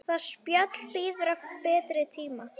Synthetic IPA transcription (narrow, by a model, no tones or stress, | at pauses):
θaðspjœt̪lpiːðʏɾavpɛːt̪ɾɪt̪ʰiːma